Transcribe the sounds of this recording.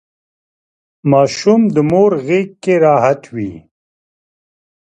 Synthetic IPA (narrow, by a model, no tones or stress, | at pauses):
maːʃumd̪əmoːɾɣeːkkːeɾaːɦat̪wḭ